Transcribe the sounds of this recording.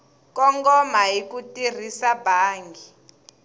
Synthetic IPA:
kɔŋɡɔmaɦikutir̤isabʱaːŋɡi

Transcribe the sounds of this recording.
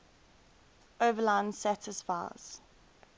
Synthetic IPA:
ʔoːvəlãɪ̃nsætʰɪsfaɪ̰z̥

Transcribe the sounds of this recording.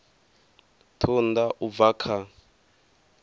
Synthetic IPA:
tʰund̪aʔuvakʰa

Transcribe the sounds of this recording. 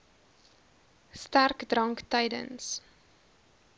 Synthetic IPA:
stærkdrɐŋktəjdə̰ns

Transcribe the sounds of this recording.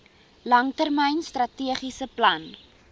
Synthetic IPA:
lɐŋtərməjnstrɐtiəχisəplɐn

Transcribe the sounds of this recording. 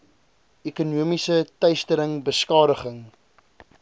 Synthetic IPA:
ekunuəmisətɐɥstəɾəŋbəskɑːɾəχəŋ

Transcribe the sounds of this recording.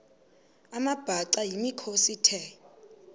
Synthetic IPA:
amab̥ʱaǀajimikʰositʰɛ

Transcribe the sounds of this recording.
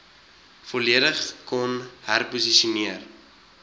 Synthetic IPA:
fɔliəɾəχkɔnhærpusiʃiuniər

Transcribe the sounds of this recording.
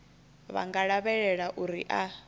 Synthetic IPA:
βa̰ŋɡaɺaβɛɺɛɺaʔuɾiʔa

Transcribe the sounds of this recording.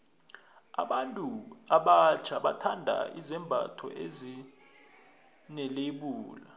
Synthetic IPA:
a̰ɓantʼuaɓat͡ʃʰaɓatʰandʱa̰izɛmbʱa̰tʰɔ̰ʔezi | nɛleɓuːla

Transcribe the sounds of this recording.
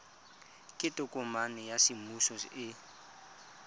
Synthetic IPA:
kʼɪtʼʊkʼʊmanɛjasɪmusɔɪ

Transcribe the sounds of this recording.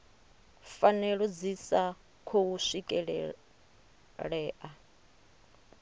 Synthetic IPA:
fanɛɺɔd͡zisa | kʰowuʂikʼɛɺɛ̰ | ɺɛːʔa

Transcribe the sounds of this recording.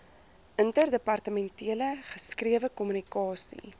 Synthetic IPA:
ʔəntərdəpɐrtəmɛntiələχəskriəvəkɔmynikɑːsḭ

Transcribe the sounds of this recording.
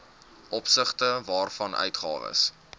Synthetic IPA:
ʔɔpsəχtəvɑːrfɐnœ̰ɥtχɑ̰ːvə̰s

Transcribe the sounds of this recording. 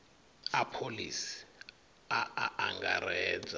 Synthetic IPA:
apʰolisi̥ | aaʔaŋɡa̰ɾɛːd͡za

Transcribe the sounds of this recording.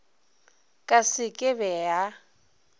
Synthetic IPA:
kʼasɪkʼɪβɛa

